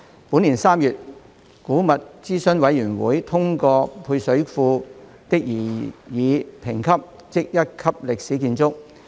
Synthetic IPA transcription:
puː˨˥niː˨˩nsaː˥mjyː˨t̚ | kuː˨˥mɐ˨t̚t͡siː˥sɵ˥nwɐ˨˧˥jjyː˨˩nwṵː˨˥jt̪ʰʊ˥ŋkɔː˧pʰuː˧jsɵ˨˥ɥfuː˧ | t̪ɪ˥k̚jiː˨˩jiː˨˧pʰɪ˨˩ŋkʰɐ˥p̚ | t͡sɪ˥k̚jɐ˥t̚kʰɐ˥p̚lɪ˨k̚siː˨˥kiː˧nt͡sʊ˥k̚

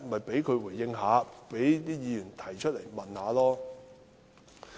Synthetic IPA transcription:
mɐ˨jpe˨˥jkʰɵ˨˧ɥwuː˨˩jjɪ˧ŋɦaː˨˧pe˨˥jt̪iː˥jiː˨˧jyː˨˩nt̪ʰɐ˨˩jt͡ʃʰt̚le˨˩jmɐ˨nhaː˨˧lɔː˥

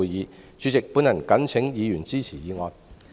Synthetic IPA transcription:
jiː˨˧ | t͡ʃyː˨˧t͡sɪ˨k̚puː˨˥njɐ˨˩nkɐ˨˥nt͡sʰɪ˨˥ŋjiː˨˧jyː˨˩nt͡siː˥t͡sʰiː˨˩jiː˨˧ŋɔː˨˧n

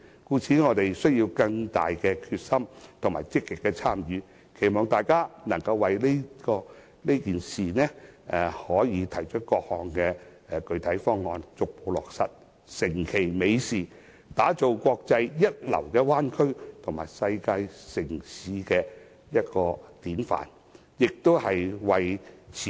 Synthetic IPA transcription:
kuː˧t͡sʰiː˨˥ŋɔː˨˧t̪e˨jsɵ˥ɥji˧wkɐ˧ŋt̪a̰ː˨jkɛ˧kʰy˧t̚sɐ˥mt̪ʰʊ˨˩ŋmaː˨˩jt͡sɪ˥kːɪ˨kːɛ˧t͡sʰaː˥mjyː˨˧ | kʰe˨˩jmɔː˨ŋt̪aː˨jkaː˥nɐ˨˩ŋkɐ˧wwɐ˨jle˥kɔː˧ | ne˥kiː˨nsiː˨nɛː˥ɛ˨˩hɔː˨˥jiː˨˧t̪ʰɐ˨˩jt͡ʃʰɵ˥t̚kɔː˧k̚hɔː˨˧ŋkɛː˧˨˧kɵ˧ɥt̪ʰɐ˨˥jfɔː˥ŋːɔː˧nt͡sʊ˨k̚po˨˧wlɔː˨k̚sɐ˨t̚ | sɪ˨˩ŋkʰe˨˩jme˨˧jsiː˨˩ | t̪aː˨˥t͡so˨wkʷɔː˧k̚t͡sɐ˧jjɐ˥t̚lɐ̰˨˩wkɛː˧waː˥nkʰɵ˥ɥt̪ʰʊ˨˩ŋmaː˨˩jsɐ˧jkaː˧jsɪ˨˩ŋsiː˨˧kɛː˧ | jɐ˥t̚kɔː˧t̪iː˨˥nfa̰ː˨˩n | jɪ˨k̚t̪o˥whɐ˨jwɐ˨jt͡sʰi˨

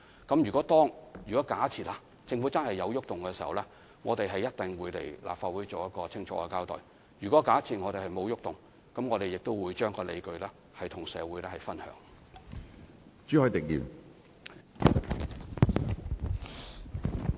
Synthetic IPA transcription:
kɐ˨˥mjyː˨kɔː˨˥t̪ɔː˥ŋjyː˨kɔː˨˥kaː˨˥t͡sʰiː˨˩t̚laː˨ | t͡sɪ˧ŋfu˨˥t͡sɐ˥nhɐ˨jːɐ˨˧wjʊ˥k̚t̪ʊ˨ŋkɛː˧siː˨˩hɐ̰˨wlɛː˥ | ŋɔː˨˧t̪e˨jɦɐ˨jːɐ˥t̚t̪ɪ˨ŋwuː˨˧jlḛ˨˩jlʔa̰ː˨pfaː˧wuː˨˥jt͡so˨wjɐ˥t̚kɔː˧t͡sʰɪ˥ŋt͡ʃʰɔ̰ː˧˥kɛ̰ː˧kaː˥wt̪ɔ̰ː˨˩j | jyː˨˩kɔː˨˥kaː˨˥t͡sʰiː˨t̚ŋɔː˨˧t̪e˨jhɐ˨jmo˨˧wjʊ˥k̚t̪ʊ˨ŋ | kɐ˨˥mŋɔː˨˧t̪e˨jɪ˨k̚t̪o˥wwuː˨˧jt͡ʃœː˥ŋkɔː˧lḛ˨˧jkɵ˧ɥlɛː˥ | hɐ˨jt̪ʰʊ˨˩ŋsɛː˨˧wuː˨˥jlɛː˥hɐ˨jfɐ˥nhœ̰ː˨˥ŋ | t͡ʃyː˨˥hɔː˨˥jt̪ɪ˨k̚jḭː˨˩w

